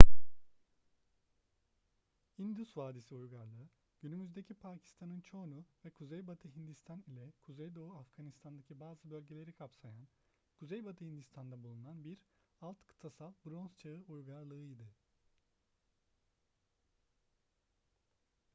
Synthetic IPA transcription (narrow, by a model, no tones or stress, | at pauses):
ind̪usvaːd̪isiujɡaɾlˠɯɯ | ɟ̥ynymyzd̪e̞cʰipʰaːcʰi̥st̪ʰanɯnt͡ʃʰo̞nuvɛkʰuzejbat̪ʰɯɦind̪ist̪ʰanilʲɛkʰuzejd̪o̞uafɡ̥anist̪ʰand̪acʰibaːzɯbølʲɟelʲe̞ɾikʰapsajan | kʰuzejbat̪ʰɯhind̪ist̪ʰand̪abulˠunanbiɾalˠt̪kʰɯ̥t̪ʰasalˠbɾonst͡ʃʰaɯujɡaɾlˠɯɯjd̪ɯ